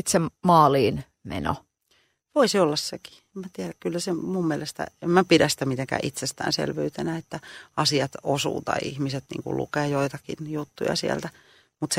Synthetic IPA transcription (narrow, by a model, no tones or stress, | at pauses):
t̪semɑːliːn | mḛno̰ | ʋoisiolːɑsseki̥emæt̪iæɾækkylːæsemummiɛlest̪æ̰emmæpiɾæst̪æmit̪eŋkæ̰ʔit̪sest̪æ̰ːnsḛlʋyyt̪enæet̪ːæɑsiɑt̪osṵːt̪ɑ̰iʔḭhmiset̪nḭːŋkṵlʔṵkeːjoit̪ɑkḭnjut̪ːujɑ̰siæ̰lt̪æ | mut̪se